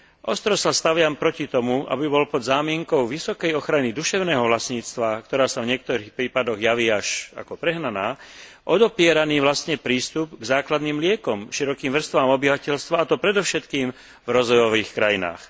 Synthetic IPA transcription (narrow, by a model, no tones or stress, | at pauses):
ʔɔst̪ɾɔsast̪aʋɪampɾɔcit̪ɔmuʔa̰bibɔlpɔd̪zaːmɪɛŋkɔʊʋisɔkɛjɔxɾanid̪uʃɛʊnɛːɦɔʋlasɲiːt͡st̪ʋakt̪ɔɾaːsavɲɪɛk̚t̪ɔɾiːxpɾiːpad̪ɔɣjaʋiːaʃa̰kɔpɾɛɦnanaːʔɔd̪ɔpɪɛɾaniːʋlast̪ɲɛpɾiːst̪upɡzaːklad̪niːmlɪɛkɔmʃiɾɔkiːmʋr̩st̪ʋaːmɔbiʋacɛʎst̪ʋaːt̪ɔpɾɛd̪ɔfʃɛt̪kiːm | vɾɔzʋɔjɔʋiːxkɾajina̰ːx